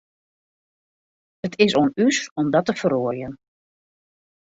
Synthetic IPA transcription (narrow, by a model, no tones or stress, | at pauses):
ətʰɪsoənysɔmdɔtəfəɾoərjən